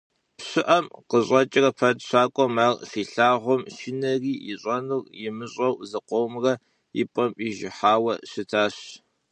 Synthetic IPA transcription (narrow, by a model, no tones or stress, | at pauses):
pɕɪʔɐmqəɕʼɐt͡ʃʼɪrɐpʰɐtɕaːkʷʼɔmɐrfiːɬaːʁʷɔmʃɪnɐriːjɪɕʼɐnurjɪmɨɕʼɐwzɐqʷowmrɐ | jɪ̰pʼɐmiʒɪħaːwɐɕɪtʰaːɕ